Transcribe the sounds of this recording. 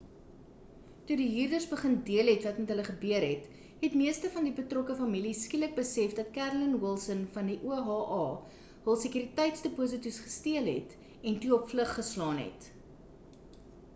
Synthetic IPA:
tudiɦyːrdərsbəχəndiəlɦɛtvɐtmɛtɦələχəbøəɾɦɛt | ɦɛtmiəstəfɐndibətrɔkəfɐmiliskilək̚bəsɛfdɐt̚kærlənwilˠsənfɐndiʔuəɦɑːʔɑː | ɦəlˠsəkyɾitɛjtsdəpus̬ətysχə̥stiəlɦɛ̰t | ɛntuɔpfləχːəslɑːnɦɛ̰t

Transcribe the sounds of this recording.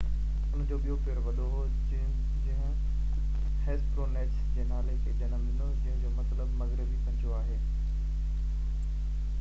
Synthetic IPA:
ʊn̤d͡ʑoːɓijopeːɾʋɐɗoɦo | d͡ʑɐ̃ɦɪ̃ | heːspɾoːneːʈsd͡ʑẽɦnaːleked͡ʑenəmɪ̃nd̪od͡ʑɐ̃ɦɪ̃d͡ʑoːmɐt̪ləbmɐɣɾɪbipɐ̃ɲd͡ʑʰoaːɦeː

